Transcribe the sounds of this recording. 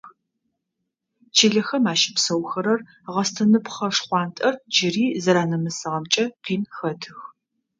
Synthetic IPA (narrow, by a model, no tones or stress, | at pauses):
t͡ʃʰiɮɐxɐmaːʃɪ̥psɐwxɐɾɐr | ʁɐstʰɐnɨpχɐʂχʷɑːntʼɐrd͡ʒɪriːzɐɾaːnɐmɨsɨʁɐmt͡ʃʼɐqiːnxɐtʰɨx